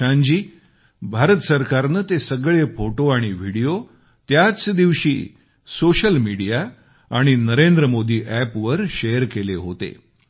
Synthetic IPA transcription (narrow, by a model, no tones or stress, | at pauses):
ãɲd͡ʑiː | bʱaɾət̪əsəɾkaɾnət̪esəɡɭefoʈoaɽ̃iʋ̤ʱiɽijo | t̪jat͡sd̪iʋɕḭː | soɕəlmiɽija | aɽ̃inəɾend̪ɾəmod̪ʱiːʔæpʋəɾɕejəɾkeleɦot̪ḛ